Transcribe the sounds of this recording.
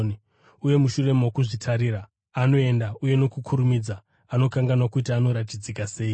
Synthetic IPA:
ni | uje̞muʃure̞mawokuʐitʰaɾiɾaː | no̞e̞ndauje̞no̞kukʰuɾumid͡za | ano̞kaŋɡanwakutiano̞ɾatid͡zikase̞ːi

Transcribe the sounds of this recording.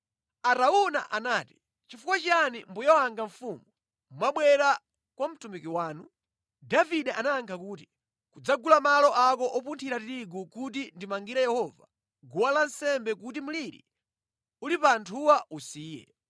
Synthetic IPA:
aɾauna̰ʔanaːti̥ | t͡ʃifukwat͡ʃanimbujɔwaŋɡaɱfumu | mwaɓwɛɾa | kwam̩tumikiwaːnu | daviɗɛʔanaːŋkʰakuːti | kud͡zaɡulamalɔʔakɔʔɔpuntʰiɾatiɾiɡukutindimaŋɡiɾajɛhɔva̰ | ɡuwalansɛmbɛk̬utim̩uliɾḭ | ulipantʰuwausiːjɛ̰

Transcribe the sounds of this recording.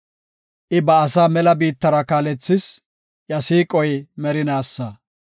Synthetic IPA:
ʔɪbɐːsaːmɛlɐbiːt̪ːɐɾɐkaːlɛt͡sːɪs | jɐsiːkʼɔjmɛɾɪnaːsːɐ

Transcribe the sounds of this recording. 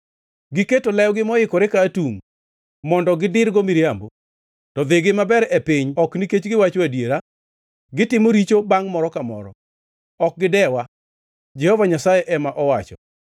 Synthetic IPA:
ɡɪketolɛjɔɡɪmɔɪkɔɾekaːtuŋ | mɔndɔɡɪdɪɾɡomiɾiambo | tɔd̪eɡɪmabɛɾɛpɪɲɔkniket͡ʃɡɪwat͡ʃwadjeɾa | ɡɪtɪmoɾit͡ʃobaŋmɔɾɔkamɔ̰ɾɔ̰ | ɔk̚ɡɪdɛwa | d͡ʒɛhɔvaɲasajɛʔɛmaʔɔwat͡ʃɔ

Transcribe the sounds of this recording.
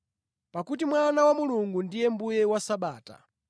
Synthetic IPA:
pakut̬imwanawamuluŋɡundijɛmbujɛwasaɓaːta̰

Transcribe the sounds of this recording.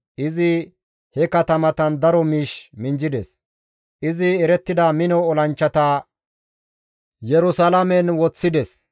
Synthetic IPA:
ʔɪzɪ | hɛkɐt̪ɐmɐt̪ɐnd̪ɐɾɔmiːʃmɪnd͡ʒɪd̪ɛs | ʔɪzɪɛɾɛt̪ːɪd̪amɪnɔɔlɐnt͡ʃːɐt̪aː | jɛɾʊsɐlɐmɛnwɔt͡sːɪd̪ɛs

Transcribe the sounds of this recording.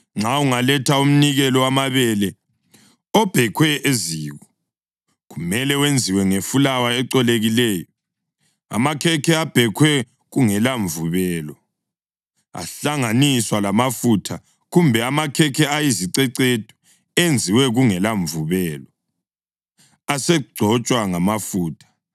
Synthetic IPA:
ŋ͡ǁauŋalɛtʰaum̩niɣɛlɔwamaβɛlɛ | ɔb̥ʱɛkʰwɛʔeziːɣɔ | ɣumɛlɛwend͡zʱiwɛŋefulawaɛǀɔleɣilɛːjɔ | a̰makʰɛkʰɛab̥ʱɛkʰwɛ | ɣuŋɛlaɱvuβɛːlɔ | a̰ɬaŋaniswalamafutʰa | ɣumbʱɛamakʰɛkʰɛajiziǀɛǀed̥ʱʼɔ̥ | end͡zʱiwɛɣuŋɛlaɱvuβɛːlɔ | asɛɡ͡ǀʱɔt͡ʃʼwaŋamafuːtʰḁ

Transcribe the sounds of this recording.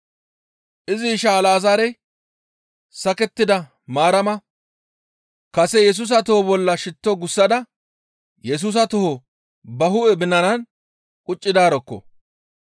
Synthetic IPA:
ʔɪzɪʃaːlaːzaːɾɛj | sɐkɛt̪ːɪd̪ɐ | maːɾɐmɐ | kɐsɛjɛs̬uːs̬ɐt̪ɔhɔbɔlːɐʃɪt̪ːɔɡʊsːɐd̪ɐ | jɛs̬uːs̬ɐt̪ʊhɔ | bɐɦʊʔɛbɪnːɐnɐn | kʼʊt͡ʃʼːɪd̪aːɾɔkːɔ̰

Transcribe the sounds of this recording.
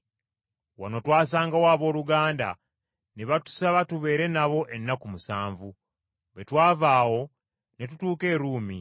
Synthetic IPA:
wa̰no̞twaːs̬aːŋɡawaːβo̞ːluɡaːnda̰ | neβatu̥saβatuβe̞ːɾe̞naβo̞ʔe̞nːakumusaːɱvu | βe̞twaːvaːwo̞ | ne̞tutuːke̞ːɾuːmi

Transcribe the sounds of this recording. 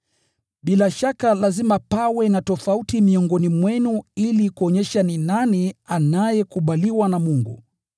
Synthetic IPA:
ɓilaʃakalazimapawɛnatɔfautimiɔŋɡɔnimwɛnuilikuɔɲɛʃaninanianajɛkuɓaliwanamuŋɡṵ

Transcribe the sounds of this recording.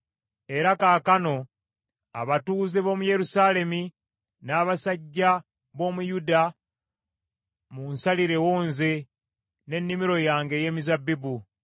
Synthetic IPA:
e̞ɾakaːkano̞ | a̰βatuːzeβo̞ːmuje̞ɾusaːle̞mi | naːβasaɟːa | βo̞ːmujuda | munsaliɾe̞wo̞ːnze | ne̞nːimiɾo̞jaːŋɡe̞je̞ːmizabːibu

